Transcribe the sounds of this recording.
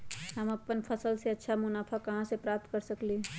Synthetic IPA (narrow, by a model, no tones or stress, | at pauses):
ɦəmɐpənpʰəsəlseɐtːʃʰamʊnaːpʰakɐɦãsepɾaːp̚t̪kəɾsəkli